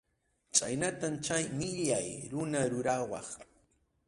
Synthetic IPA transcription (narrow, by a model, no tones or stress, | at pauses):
t͡ʃʼa̰jnat̪amt͡ʃajmɪʎajɾʊnaɾʊɾawɑ̰χ